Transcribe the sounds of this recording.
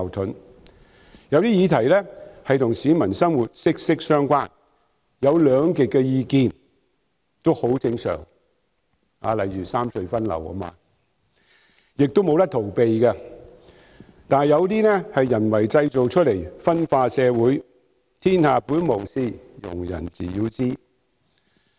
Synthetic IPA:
wt̪ʰɵ˨˥n | jɐ˨˧wt̪iː˥jiː˨˧t̪ʰɐ˨˩jlɛː˥hɐ˨jt̪ʰʊ˨˩ŋsiː˨˥mɐ˨˩nsɐ˥mwuː˨˩t̚sɪ˥k̚sɪ˥k̚sœː˥ŋkʷaː˥n | jɐ˨˧wlœː˨˧ŋkɪ˨k̚ːɛ˧jiː˧kiː˧n | t̪o˥who˨˥wt͡sɪ˧ŋsœ̰ː˨˩ŋ | ha̰ː˨˧lɐ˨˩jɥyː˨˩saː˥msɵ˧ɥfɐ˥nlɐ̰˨˩wɐ̰˥ma̰ː˧ | jɪ˨k̚t̪o˥wmo˨˧wt̪ɐ˥t̪ʰo˨˩wpe˨jkɛ˧ | t̪aː˨njɐ˨˧wt̪iː˥nɛː˥hɐ˨jjɐ˨˩nwɐ˨˩jt͡sɐ˧jt͡so˨wt͡ʃʰɵ˥t̚le˨˩jfɐ˥nfaː˧sɛː˨˧wuː˨˥j | t̪ʰiː˥nhaː˨puː˨˥nmo˨˩wsiː˧ | jʊ̰˨˩ŋjɐ̰˨˩nt͡sḭː˨˩jiː˧wt͡siː˥

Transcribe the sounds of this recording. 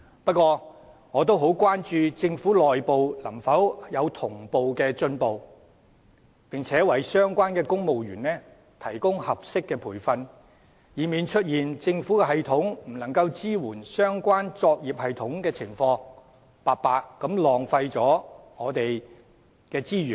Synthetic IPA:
pɐ˥t̚kːʷɔː˧ | ŋɔː˨˧t̪̬o˥wɦo˨˥wkʷwaː˥nt͡ʃyː˧t͡sɪ˧ŋfuː˨˥lɔː˨jpo˨wlɐ˨˩mfɐ˨˥wjɐ˨˧wt̪ʰʊ˨˩ŋpo˨wkɛː˧t͡sɵ˧npo˨w | pɪ˨ŋt͡sʰɛː˨˥wɐ˨˥˩jsœː˥ŋkʷaː˥nkɛː˧kʊ˥ŋmo˨wɥyː˨˩nɛː˥ | t̪ʰɐ˨˩jkʊ˥ŋhɐ˨p̚sɪ˥kːɛː˧pʰuː˨˩jfɐ˧n | jiː˨˧miː˨nt͡ʃʰɵ˥t̚jiː˨˩nt͡sɪ˧ŋfuː˨˥kɛ˧ɦɐ˨jt̪ʰʊ˨˥ŋm̩˨˩nɐ˨˩ŋkɐ˧wt͡siː˥wuː˨˩nsœː˥ŋkʷaː˥nt͡sɔː˧k̚jiː˨p̚hɐ˨jt̪ʰʊ˨˥ŋkɛː˧t͡sʰɪ˨˩ŋfɔː˧ŋ | paː˨paː˧kːɐ˨˥mlɔː˨ŋfɐ˧jt͡sɔː˨˥ŋɔː˨˧t̪e˨j | kɛː˧t͡siː˥ɥyː˨˩n

